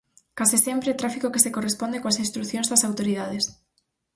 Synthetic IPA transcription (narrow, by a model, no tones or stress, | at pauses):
kasisɛmpɾet̪ɾafikokesekorespõnd̪ekõasinst̪ɾuθjõŋzðɐsawt̪oɾiðað̞es